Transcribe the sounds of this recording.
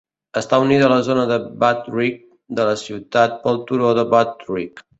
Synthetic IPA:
əst̪auniðələzonəðəbat̪rik̚ | d̪ələsiwt̪at̪̚pəlˠt̪uɾoðəβat̪rik

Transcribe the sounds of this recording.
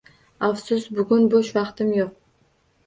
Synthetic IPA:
afsʊsbʊɡʲʊnboʃvɑqt̪ɪmjoq̚

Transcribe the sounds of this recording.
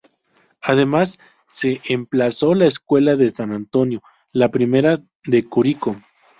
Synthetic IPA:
aðemasː | eʔemplaso̞laeskwe̞laðesanant̪o̞njo̞ | lapɾime̞ɾa | ðekuɾiko

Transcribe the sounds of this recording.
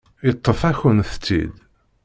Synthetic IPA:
jət̪ˤːəfæçənθt͡sːḭd̪

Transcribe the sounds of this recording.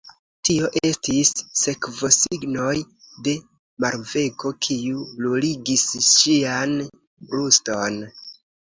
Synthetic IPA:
tio̞ʔe̞stisːe̞kvo̞siɡno̞j | de̞ | maɾve̞ko̞kʰiuloliɡisʃian | bɾusto̞n

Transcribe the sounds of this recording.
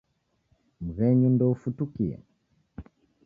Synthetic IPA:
m̩ɣɛɲundɔufutukiɛ̰

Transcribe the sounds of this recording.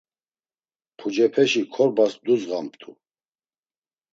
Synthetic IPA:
pʰud͡ʒɛpʰɛʃikʰɔɾbasd̪uzʁampt̪ʰṵ

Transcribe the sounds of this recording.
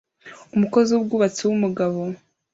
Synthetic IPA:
umuko̞ziwub̚ɡuːβat͡sewumuɡaβo̞

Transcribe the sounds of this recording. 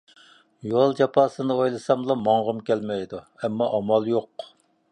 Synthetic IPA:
jolˠd͡ʒɑpʰɑːsɨnɨojlˠɨsɑmlˠɑmɑɴʁəmkʲɛlmɛjd̪u | ɛmːɑʔɑmɑlˠjoq

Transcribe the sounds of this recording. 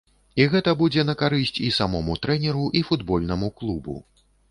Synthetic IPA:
iɣɛt̪ɐbud͡zʲɛnɐkaɾɨsʲt͡sʲisamɔmut̪ɾɛnʲɛɾuʔifud̪bɔlʲnɐmuklˠubṵ

